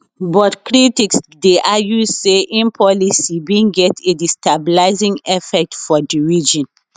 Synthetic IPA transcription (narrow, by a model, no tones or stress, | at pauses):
bɔtkɹitiksdeʔajusseʔĩnpʰɔlisibĩnɡɛtedistabilaɪzĩŋɛfɛk̚tfɔdiɹid͡ʒɔ̃n